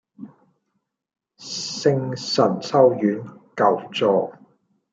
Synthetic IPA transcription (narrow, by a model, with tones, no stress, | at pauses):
sɪ˥ŋsɐ˨˩nsɐ˥wjyː˨˥nkɐ˨wt͡sɔː˨˧